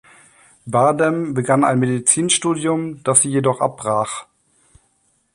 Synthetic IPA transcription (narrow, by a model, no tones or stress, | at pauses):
baɐdɛmbəɡana̰ɪnmedit͡siːnʃtuːdjʊmd̥asz̥iːjedɔχʔa̰p̚b̥ʁaːχ